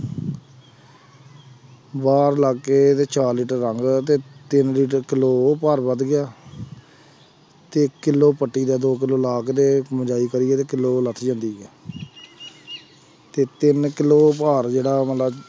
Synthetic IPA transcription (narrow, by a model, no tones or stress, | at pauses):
baːɾlaːkːeːt̪eːt͡ʃaːɾliːʈəɾːəŋɡt̪eːt̪ɪnliːʈəɾkɪloːpəɾbəd̪ɡɪjaː | t̪eːkɪlːoːpəʈːiːd̪aːd̪oːk̬ɪloːlaːkʰd̪eːməd͡ʒaːiːkəɾɪːɛːt̪eːkɪlːoːlət̪ʰd͡ʒãːnd̪iːɛː | t̪eːt̪ɪnkɪloːpaːɾd͡ʒeːɽaːmət̪ləb